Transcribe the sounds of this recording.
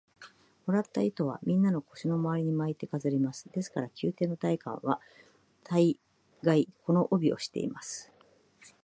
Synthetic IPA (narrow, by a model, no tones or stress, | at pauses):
moɾat̪ːait̪o̞β̞a̰mʲĩnːano̞ko̞̥ɕino̞maaɾiɲ̟imait̪ːe̞kazɨɾimasɨ̥d̪̥e̞sɨ̥kaɾakʲɨːt̪e̞ːno̞t̪aikã̰ɰ̃βa | t̪ʰai | ɡaiko̞no̞ʔobʲio̞̰ɕi̥t̪e̞̰ḭmasɨ̥